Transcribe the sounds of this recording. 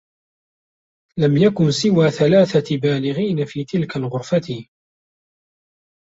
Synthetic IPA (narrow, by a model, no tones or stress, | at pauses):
lamjakʊnsɪwaːθalaːθabaːlɪɣiːnafiːt̪ɪlkalɣʊɾfat̪ɪ